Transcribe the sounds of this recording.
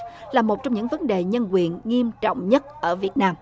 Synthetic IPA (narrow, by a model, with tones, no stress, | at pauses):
laː˨˩mo˨˩t̚t͡ɕɔ˧wŋ͡mɲɨ̰˧˥ŋvə˨˦nɗe˨˩ɲə˧nkwi˨˩ənŋi˧əmt͡ɕɔ̰˧˨wŋ͡mɲə˦˥t̚ʔəː˧˩vi˨˩ət̚naː˧m